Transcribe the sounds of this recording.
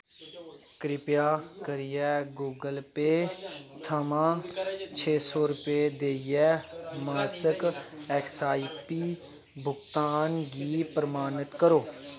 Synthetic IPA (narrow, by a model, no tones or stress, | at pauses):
kɾɪpjaːkəɾɪjɛːɡuːɡəlpeːt̪ʰəmãːt͡ʃʰeːsɔːɾʊpeːd̪eːɪjɛːmaːsəkɛːksaːipiː | bʱʊɡt̪aːnɡiːpɾəmaːnət̪kəɾoː